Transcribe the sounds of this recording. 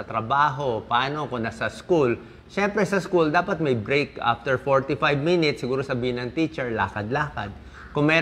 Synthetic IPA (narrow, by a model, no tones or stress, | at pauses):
ɐt̪ɾɐbaːɦo̞pɐʔaːnokonɐsɐskul | ʃɛmpɾɛsɐskuld̪aːpɐt̪̚mɐjbɹejkʔa̰ft̪ɛɹfoɹt̪ɪfajbminɪt̪sːɪɡuːɾosɐbiːhɪnɐŋt̪it͡ʃɛɹla̰ːkɐd̪laːkɐd̪̚ | kʊŋmɛː